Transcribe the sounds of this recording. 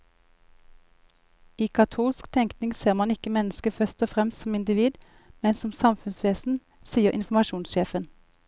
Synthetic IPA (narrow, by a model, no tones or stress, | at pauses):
iːkʰɑt̪ʰuːlskt̪ʰɛŋktnɪŋseːʁmɑnɪkəmɛnəskəfœst̪ɔfʁɛmst̪sɔmɪnd̪ɪʋiːd̪ | mɛnsɔmsɑmfʉnsʋeːsn̩ | siːəʁʔɪ̰nfɔmɑʃuːnsʃeːfən